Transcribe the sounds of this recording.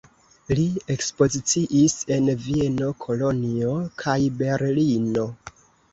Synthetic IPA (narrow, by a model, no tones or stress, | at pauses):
lie̞kspo̞zit͡siʔise̞nvie̞no̞kʰo̞lo̞nio̞kʰajbe̞ɾlino